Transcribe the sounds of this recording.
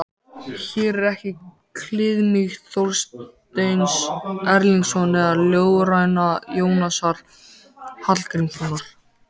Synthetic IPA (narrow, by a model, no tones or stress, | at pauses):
çɛːɾɾɛhcɪ | kʰlɪðmiɣθowlst̪ejnsɛɾliŋksɔnɛðaɾljoːwɣɾajnajoːwnasaɾ̥ | hat̪lkɾiŋsonaɾ̥